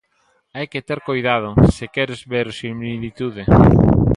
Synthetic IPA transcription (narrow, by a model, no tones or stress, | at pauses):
ajket̪ɛɾkojðað̞ʊsɪkɛɾezβeɾsimlilit̪uðe